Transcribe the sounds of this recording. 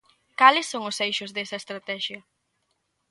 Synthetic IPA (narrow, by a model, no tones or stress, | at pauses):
kalɪsːoŋʊsejʃʊzðɛsɐest̪ɾat̪ɛʃjɐ